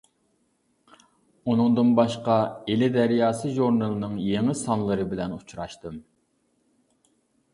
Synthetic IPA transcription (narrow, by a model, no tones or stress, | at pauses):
unɨŋd̪ɨnbɑʃqɑelɪd̪ɛɾjɑːsɨʒuɾnɨlˠɨnɨŋjeŋɪsɑnlˠɨɾɨbɪlɛnut͡ʃʰɾɑʃt̪ɨm